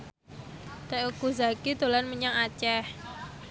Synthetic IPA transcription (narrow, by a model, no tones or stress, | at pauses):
t̪aʔukuzakid̪o̤lanməɲaŋat͡ʃɛh